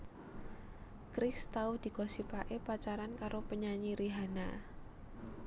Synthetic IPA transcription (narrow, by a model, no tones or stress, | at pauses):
kɾɪst̪awd̪̥i̤kɔsipaʔepat͡ʃaɾankaɾopəɲaɲiɾiɦana